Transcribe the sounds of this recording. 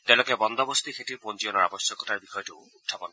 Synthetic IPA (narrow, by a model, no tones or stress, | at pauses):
t̪ɛʊ̃lokɛbɔnd̪ɔbost̪ixʰetiɹponziɔnɔɹa̰bɔsjɔkɔtaɹbixɔjɔtʊutʰːɔpɔn